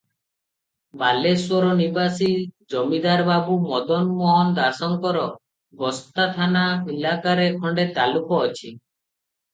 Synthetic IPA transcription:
baleswɔɾɔnibasid͡ʒɔmid̪aɾbabumɔd̪ɔnmɔɦɔnd̪asɔŋkɔɾɔ | bɔst̪at̪ʰanamilakaɾekʰɔɳɖet̪alukɔːt͡ʃʰi

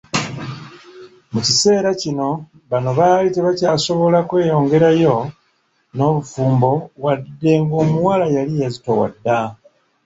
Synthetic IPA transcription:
mucise̞ːɾacino̞ | βano̞βaːlite̞βacaːso̞βo̞lakwe̞ːjo̞ːŋɡe̞ɾajo̞ | no̞ːβufuːmbo̞βwadːe̞ŋɡo̞ːmuwaːlajalijazitowa̰dːa

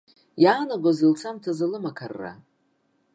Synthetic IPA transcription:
jaːnaɡʷazɨlt͡sʰamtʰazalɨmakʰarːa̰

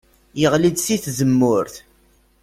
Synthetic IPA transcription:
jəʁlid̪siθzəmːʊɾθ

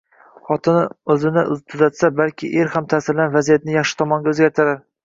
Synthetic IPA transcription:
χɒt̪ʰɪnɵzɪnɪʊt̪ʰʊzat̪sabalkʲʰɪʔeɾhamt̪ʰasɪɾlanvazijat̪nɪjɑχʃɪ̥t̪ʰɒmɒŋɡʲaɵzɡʲaɾt̪ʰɪɾaɾ

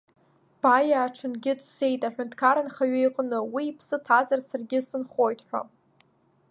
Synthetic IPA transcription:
b̥ajaːʈ͡ʂʰɨnɡʲɪdse̞jtʼaħʷᶣʊntʰʼkʰaɾanχaɥejqʼnɨwiːpʰsɨtʰazarsarɡʲɪsɨnχo̞jtʼħʷᶣa̰

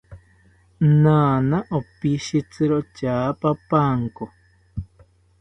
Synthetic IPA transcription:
nãːnãʔopiʃit͡sɨɾot͡ʃaːpapaŋko

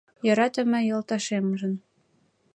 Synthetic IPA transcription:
jɤ̆ɾɑt̪ə̆mɘ̆jɤ̆lt̪ɑʃemʒə̆n

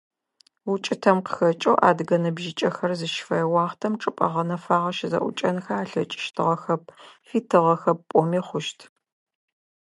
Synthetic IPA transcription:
wʊt͡ʃʼɪtʰɐmqə̥xɐt͡ʃʼowʔa̰ːdɡɐnɨbʒɪt͡ʃʼɐxɐrzɨʃfɐjwɑːχtʰɐmʈ͡ʂʼɨpʼɐ̰ʁɐnɐfaːʁɐʃɪzɐ̰ʔʷʊ̰t͡ʃʼɐnxaaːɬɐt͡ʃʼɪ̥ʃtʰɨʁɐxɐp̚fiːtʰɨʁɐxɐp̚pʼɔmiːχʷʊʃtʰ

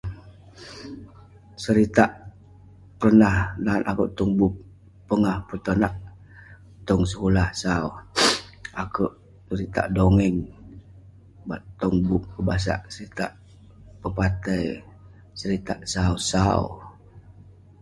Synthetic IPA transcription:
səɾit̪aʔ | pərnahnanakuʔt̪uŋbup̚ː | əŋahpət̪onaʔ | t̪ɔŋs̬əkulahsau | akuʔ | səɾit̪a̰ʔdoŋɛŋ | baʔt̪ɔŋbup̚kəbas̬a̰ʔsəɾit̪a̰ʔ | pəpat̪əj | səɾit̪aʔsausaṵ

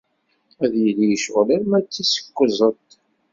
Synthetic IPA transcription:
æðjəlijəʃʁlæɾmæt͡sːisə̥kʷːəzˤət̪

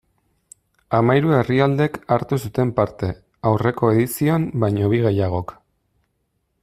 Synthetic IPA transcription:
amajɾue̞riald̪e̞kaɾt̪us̬ut̪e̞mpaɾt̪e̞ | awre̞ko̞e̞ðisiombajɲo̞βiɣe̞jaɣ̞o̞k

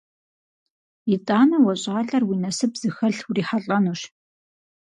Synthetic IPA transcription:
itʼaːnɐwɔɕʼaːɬɐrwiːnɐsɨpz̥ɨxɐɬwuriːħaɬʼɐnuːʃ

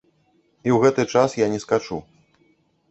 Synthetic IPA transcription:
iwɣɛt̪ɨt͡ʂasjanʲɛskat͡ʂu

